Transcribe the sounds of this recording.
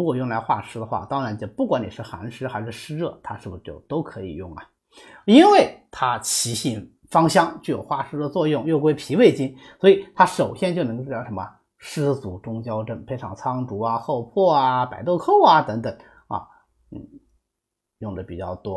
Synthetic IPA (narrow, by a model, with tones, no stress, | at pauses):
ɻu˧˥kwɔ˨˩jʊ˥˩ŋla˧˥ɪxwa̰˥˩ʂɻ̩˥d̪ə˧xwa̰˥˩t̪ɑ˥ŋɻa˧˥nt͡ɕjo˥˧ʊpu˥˩kwa˧˥ni˨˩ʂɻ̩˥˩xa̰˧˥nʂɻ̩˥xa˧˥ʂ̩˥˩ʂɻ̩˥ɻɤ˥˩t̪ʰa˥ʂɻ̩˥˩bu˨˩ʂɻt͡ɕjo˥˧˩ʊt̪o˥ʊkʰɤ˧˥ḭ˨˩jʊ˥˩ŋɐ̰˩ | i˥nwe˥˩ɪt̪ʰa˥t͡ɕʰi˧˥ɕi˥˩n | fɑ˥ŋɕjɑ˥˧ŋt͡ɕjo˥˩jo˨˩ʊxwa̰˥˩ʂɻ̩˥d̪ə˧t͡swɔ˥˧jʊ˥˩ŋjo˥˧ʊkwe˥ɪpʰi˧˥we˥˩ɪt͡ɕi˥n | swɔ˧˥i˨˩t̪ʰa˥ʂo˨˩ʊɕjɛ˥nt͡ɕjo˥˩n˧˥˩jʂə˧˥mə̰˧ | ʂɻ̩˥t͡su˧˥ʈ͡ʂʊ˥ŋt͡ɕjɑ˥ʊʈ͡ʂə˥˩npʰe˥ɪʈ͡ʂʰɑ̰˨˩ŋt͡sʰɑ˥ŋʈ͡ʂu˧˥ɐ˧xo˥˧ʊpʰwɔ˥˩a˩pa˨˩ɪt̪o˥˧ʊkʰo˥˩ʊɐ˨t̪ɤ˧˥ŋt̪ə˨˩˦ŋ | ɐ̰˧ | n̩˥˩ | jʊ˥˩ŋd̪ə˩pi˨˩t͡ɕjɑ̰˥˩ʊt̪wɔ˥